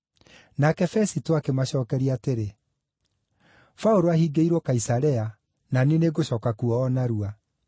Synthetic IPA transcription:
nakɛfɛsitoakemaɕɔːkɛɾiateɾe | faoɾoahiːɡeiɾwɔkaisaɾɛa | naneneɡoɕɔːkakuɔːnaɾua

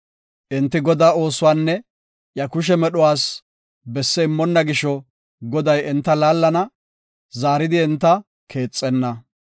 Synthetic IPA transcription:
ʔɪnt̪ːɪɡɔd̪aːo̞ːsʊwaːnːɛ | ʔjɐkʊʃ̬ɛmɛɗɔwaːs | bɛsːɛɪmːɔnːɐɡɪʃɔ | ɡɔd̪ɐjɪnt̪ːɐlaːlːɐnɐ | zaːɾɪd̪ɪɛnt̪ːɐ | kʰe̞ːt͡sʼːɛnːɐ

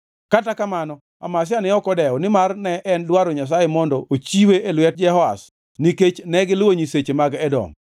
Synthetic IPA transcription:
katakamanɔ | a̰mas̬ɪanɛɔkɔdɛɔnɪmarnɛʔɛndwaɾoɲas̬ajemɔndɔʔot͡ʃiweʔelwɛt̚d͡ʒɛhɔa̰s | niket͡ʃnɛɡɪlwoɲiset͡ʃemaɡɛdɔ̰m

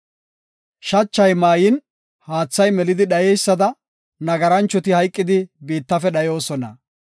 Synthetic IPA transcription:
ʃɐt͡ʃːɐjmaːjɪn | haːt͡sːɐjmɛlɪd̪ɪɗɐjɛjsːɐd̪ɐ | nɐɡɐɾɐnt͡ʃːɔt̪ɪhɐjkʼːɪd̪ɪbiːt̪ːɐfɛɗɐjo̞ːsɔnɐ̰

